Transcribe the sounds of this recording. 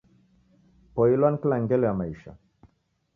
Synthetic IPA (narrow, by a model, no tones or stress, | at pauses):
pɔilwanklaŋɡelamaiʃa̰